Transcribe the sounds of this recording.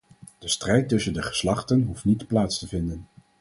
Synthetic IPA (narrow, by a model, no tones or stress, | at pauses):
d̥əstrɛjtɵsəndəχə̥slɑχtənɦuftnitplaːtstəvɪndən